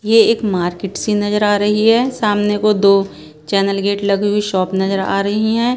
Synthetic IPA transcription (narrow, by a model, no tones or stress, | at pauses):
jeeːkmaːɾkeːʈsinɐzəɾaːɾɐɦiɦɛːsaːmnekod̪oː | t͡ʃɛːnəlɡeːʈlɐɡuiʃɔːpnɐzəɾa̰ːɾɐɦiɦɛ̃ː